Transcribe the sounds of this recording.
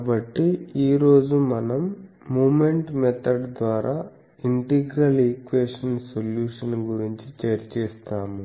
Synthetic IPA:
kːbɐʈːiiːɾo̞ːd͡ʒumɐnɐmː | uːmeɳʈmɛt̪ʰɐɖd̪ʋaːɾaː | iɳʈiɡɾɐlikʋeːʂɐnsoljuːʂɐnɡuɾiɲt͡ʃit͡ʃeɾt͡ʃɛːst̪aːmu

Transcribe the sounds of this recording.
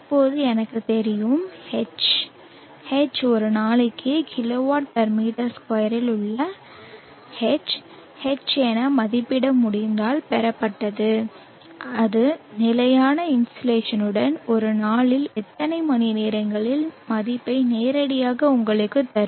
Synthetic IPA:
pːoːðɯɛnɐkːɯt̪ɛɾɪjɯmhɛt͡ʃ | hɛt͡ʃɔɾɯnaːɭɪkːɯkʰɪloːʋaːʈ̚t̪ɐɾmiːʈɐɾskɐjɐɾɪlʊɭːɐ | hɛt͡ʃ | hɛt͡ʃːɛnɐmɐðɪpːɪɽɐmːʊɽɪnd̪aːlpɛɾɐpːɐʈːɐðɯ | ʔɐðɯnɪlɐjaːnɐɪnsʈɐleːʂɐnɯɽɐnɔɾɯnaːɭɪlɛt̪ːɐnɐɪmɐnɪniːɾɐŋɡɐɭɪlmɐðɪpːɐɪneːɾɐɽɪjaːɣɐʊŋɡɐɭɯkːɯt̪ːɐɾ

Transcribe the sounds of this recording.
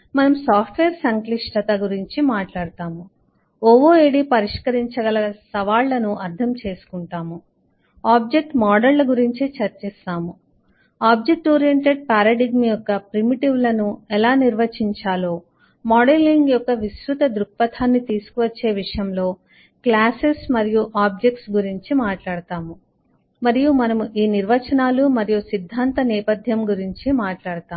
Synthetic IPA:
mɐnɐmsaːpʰʈʋeːɾsɐŋkliʂʈɐt̪ɐɡuɾiɲt͡ʃimaːʈlaːɽut̪aːmu | ɔʋoːeːɽipɐɾiʂkɐɾiɲt͡ʃɐɡɐlɐɐsɐʋaːɭːɐnuɐɾd̪ʱʰɐmt͡ʃe̞ːsu̥kuɳʈaːmu | aːb̚d͡ʒe̞k̚ʈmaːɖɐllɐɡuɾiɲt͡ʃit͡ʃɐɾt͡ʃɛːst̪aːmu | aːb̚d͡ʒek̚ʈɔːɾijeɳʈeɖ̚paːɾɐɖiɡmjɔkːɐpɾimiʈiʋlɐnuɛlaːniɾʋɐt͡ʃiɲt͡ʃaːloː | maːɖeliŋɡjɔkːɐʋisɾut̪ɐd̪ɾuk̚pɐt̪ʰaːnːit̪iːsu̥kuʋɐt͡ʃːe̞ːʋiʂɐjɐmlo̞ː | klaːsesmɐɾijuʔaːb̚d͡ʒek̚ʈsɡuɾiɲt͡ʃimaːʈlaːɽɐt̪aːmu | mɐɾijumɐnɐmuʔiːniɾʋɐt͡ʃɐnaːlumɐɾijusid̪ʱːaːnt̪ɐnɛːpɐd̪ʱjɐmɡuɾiɲt͡ʃimaːʈlaːɽɐt̪aːm

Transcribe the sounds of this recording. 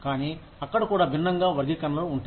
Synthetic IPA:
kaːniː | ɐkːɐɽɐkuːɽaːbʱinːɐŋɡaːʋɐɾɡikɐnɐlouɳʈu

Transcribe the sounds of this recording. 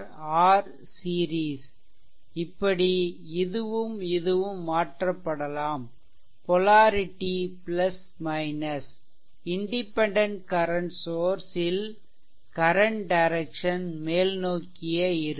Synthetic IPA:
aːɾ | siːɾiːs | ɪpːɐɽi | ɪðɯʋɯmɪðɯʋɯmːaːʈrɐpːɐɽɐlaːm | pɔlaːɾɪʈːiplɐs | mɐɪnɐs | ɪɳɖɪpːɛɳɖɐɳʈkɐɾɐɳʈsoːɾsɪl | kɐɾɐɳʈɖɐɪɾɛkʂɐnmeːlnoːkːɪjɐɪɾɯ

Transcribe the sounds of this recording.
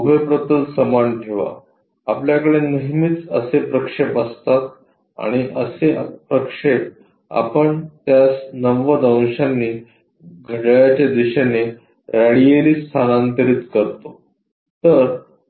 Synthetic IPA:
ubʱəpɾət̪əlsəmanʈʰeʋa̰ | apljakəɽenəɦmiːt͡səsepɾəkʂepəst̪at̪ | a̰ɽ̃iʔəsepɾəkʂep | a̰pəɳt̪jasnəʋːəd̪əw̃ɕanːiː | ɡʱəʈajat͡ɕad̪iɕane | ɾaɽijeliːst̪ʰanant̪əɾiːt̪kəɾt̪o | t̪əɾ

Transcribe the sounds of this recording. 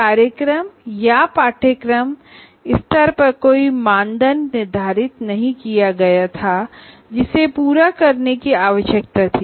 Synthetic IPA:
kaːɾjəkɾəmjapaːʈʰəkɾəm | ɪst̪ʰəɾpɐɾkoːimãːnd̪ʱənːɪɾd̪ʱaːɾɪt̪nɐɦĩkijaɡɐjat̪ʰa | d͡ʒɪsepuːɾakɐɾnekiaːʋəʃjək̚t̪at̪ʰiː

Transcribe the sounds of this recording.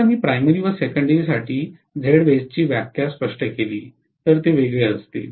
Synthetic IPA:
miːpɾajməɾiːʋəsekəɳɖeɾisaʈʰiː | d͡zʱeɽʋed͡zt͡ɕiːʋjakjaspəʂʈəkeliː | t̪əɾt̪eʋeɡɭeəst̪ḛ

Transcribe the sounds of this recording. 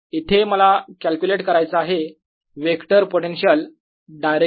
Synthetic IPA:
it̪ʰeməlakælkuleʈkəɾajt͡səaɦe | ʋekʈəɾpoʈenɕiəl | ɖajɾe

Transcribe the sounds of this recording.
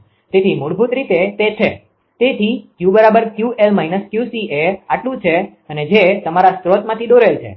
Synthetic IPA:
t̪et̪ʰimuɽbʱut̪ɾit̪et̪et͡ʃʰe | t̪et̪ʰikjubəɾabəɾkjuelmainəskjusieaʈlũt͡ʃʰe | əned͡ʒet̪əmaɾast̪ɾot̪mãt̪ʰid̪oɾelt͡ʃʰḛ

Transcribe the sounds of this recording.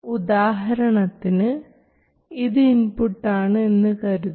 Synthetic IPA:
ud̪aːɦɐɾɐɳɐt̪ːinɨ | iðɨinpuʈːaːɳɨe̞nːɨkɐɾuð

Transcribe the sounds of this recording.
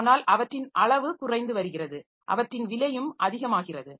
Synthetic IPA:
naːlʔɐʋɐʈrɪnʔɐɭɐʋɯkʊrɐɪnd̪ɯʋɐɾɯɣɪrɐðɯ | ʔɐ̰ʋɐʈrɪnʋɪlɐjɯmʔɐðɪɣɐmaːɣɪrɐðɯ

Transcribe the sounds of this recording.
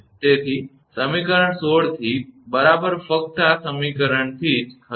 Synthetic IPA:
t̪et̪ʰi | səmikəɾəɳsoɽt̪ʰibəɾabəɾfək̚t̪asəmikəɾəɳt̪ʰid͡ʒkʰə

